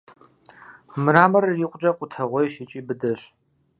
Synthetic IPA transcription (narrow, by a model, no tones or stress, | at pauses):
mɨɾaːmɐriqʷʊd͡ʒɐqʷʼʊtʰɐʁʷɔjʃit͡ʃʼiːbɨdɐɕ